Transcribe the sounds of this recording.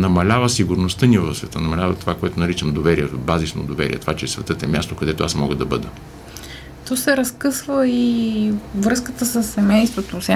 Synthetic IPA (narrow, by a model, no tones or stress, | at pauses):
nɐmɐlʲavəsiɡʊɾnost̪ənivɐfsvɛt̪ənɐmɐlʲavət̪ovakoɛt̪onɐɾit͡ʃɐmd̪ovɛɾiɛbazisno̰d̪ovɛɾʲḭɛ̰t̪ovat͡ʃɛsvɛt̪ət̪ɛmʲast̪okɐd̪ɛt̪oasmɔɡəd̪ɐbɤd̪ə | t̪ɔsɛɾɐskɤsvəi | vɾɤskət̪əsəsːɛmɛjst̪vot̪os